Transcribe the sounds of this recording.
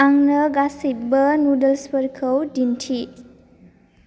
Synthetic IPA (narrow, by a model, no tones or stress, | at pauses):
aŋnəɡasit̚bənudəlspəɾkʰəwdintʰi